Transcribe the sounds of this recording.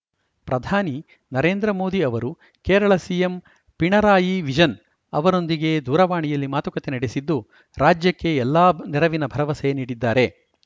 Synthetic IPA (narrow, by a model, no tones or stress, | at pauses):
pɾɐd̪ʱaːni | nɐɾeːnd̪ɾɐmo̞ːd̪iɐʋɐɾu | keːɾɐɭɐsijem | piɳɐɾaːjiʋid͡ʒɐn | ɐʋɐɾo̞nd̪iɡe̞d̪uːɾɐʋaːɳijɐlːimaːt̪ukɐt̪enɐɽesid̪ːu | ɾaːd͡ʒjɐkːe̞ɛlːaːniɾɐʋinɐbʱɐɾɐʋɐsɛjɐniːɽid̪ːaːɾe̞